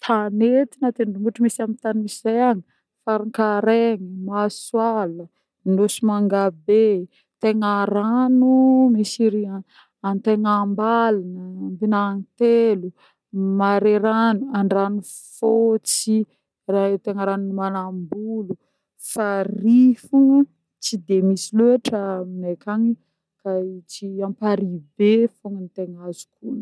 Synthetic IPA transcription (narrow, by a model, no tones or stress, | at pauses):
t̪ʰanet̪inat̪eɳɖ͡ʐumuʈ͡ʂumisamint̪aniisizajaɲi | faɾiŋkaɾeŋimaswalə | inosimaŋɡabe | t̪eŋaɾanumisiɾia | ant̪eŋambalanəmbinanit̪elu | maɾeɾanuaɳɖ͡ʐanu | fot͡si | rat̪eŋaɾanunimanambulu | farifuŋ | t͡sid̪emisiluaʈ͡ʂəminekʰaɲi | kait͡siampaɾibefoŋənt̪eŋazu̥kun